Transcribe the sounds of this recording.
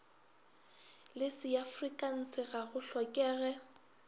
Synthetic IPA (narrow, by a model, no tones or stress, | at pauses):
lɪsɪafrikʼan̩sɪɣaɣʊɬɔkʼɛːɣɛ